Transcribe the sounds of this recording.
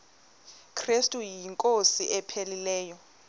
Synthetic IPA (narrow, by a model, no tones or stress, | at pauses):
kʰrestʼujiŋkʼosiʔɛpʰelilɛːjɔ